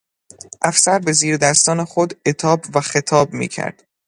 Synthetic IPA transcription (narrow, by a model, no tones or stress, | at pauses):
ʔæfsæɾbe̞ziːɾd̪æst̪ɒːnexod̪e̞t̪ʰɒːbvæxe̞t̪ʰɒːbmḭːcʰæ̰ɾd̪̥